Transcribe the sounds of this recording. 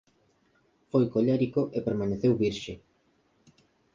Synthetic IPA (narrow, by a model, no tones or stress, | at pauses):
fojkoʎɛɾikoʔepeɾmaneθewβiɾʃe